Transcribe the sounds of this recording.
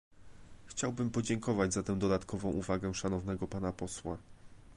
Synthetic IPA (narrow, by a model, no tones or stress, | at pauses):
xt͡ɕawbɘmpɔd͡ʑɛŋkɔvad͡ʑzat̪ɛ̃w̃d̪ɔd̪at̪kɔvɔ̃w̃ʔuvaɡɛ̃ʂanɔvnɛɡɔpanapɔswa